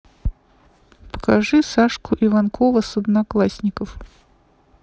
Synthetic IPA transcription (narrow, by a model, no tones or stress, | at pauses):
pə̥kaʐɨsaʂkʰʊʔivankʰovəsɐd̪naklˠasʲnʲɪkəf